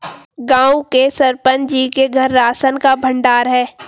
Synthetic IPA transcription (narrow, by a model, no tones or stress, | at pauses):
ɡãːũkesɐɾpənd͡ʒiːkeɡʱɐɾːaːsənkabʱə̃ɳɖaːɾɦɛː